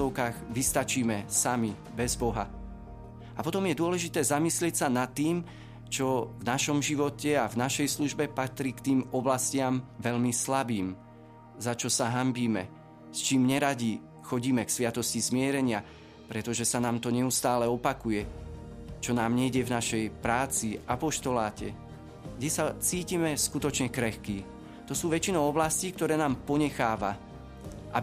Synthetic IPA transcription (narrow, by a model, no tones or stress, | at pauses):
ɔʊkaːɣʋist̪at͡ʃiːmɛsami | bɛzbɔɦa | apɔt̪ɔmjɛd̪ʊɔlɛʒit̪ɛːzamislɪɛcsanat̪ːiːm | t͡ʃɔvnaʃɔmʒiʋɔcɛavnaʃɛjsluʒbɛpat̪ɾiːkt̪iːmɔblascɪamʋɛʎmislabiːm | zat͡ʃɔsaɦambiːmɛ | st͡ʃiːmɲɛɾaɟi | xɔɟiːmɛksʋɪat̪ɔscizmɪɛɾɛɲɪa | pɾɛt̪ɔʒɛsanaːmt̪ɔɲɛust̪aːlɛɔpakujɛ | t͡ʃɔnaːmɲɛɟɛvnaʃɛjpɾaːt͡siapɔʃt̪ɔlaːcɛ | ɡɟɛsat͡siːcimɛskut̪ɔt͡ʃɲɛkɾɛxkiː | t̪ɔsuːʋɛt͡ʃinɔʊɔblasciːkt̪ɔɾɛːnaːmpɔɲɛxaːʋa | ʔa